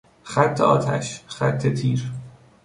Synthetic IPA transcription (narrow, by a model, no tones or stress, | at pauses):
xæt̪ʰːḛɒ̰ːt̪ʰæ̰ʃχæ̰t̪ʰːet̪ʰiːɾ